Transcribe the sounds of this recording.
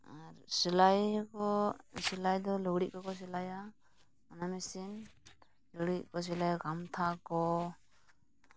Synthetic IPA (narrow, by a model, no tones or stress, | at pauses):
aɾsilajkɔsilajd̪ɔlɔwɾiʔ̚kakɔs̬ilaja | manamisin | lɔwɾiʔ̚kɔs̬ilajaɡamt̪ʰakɔ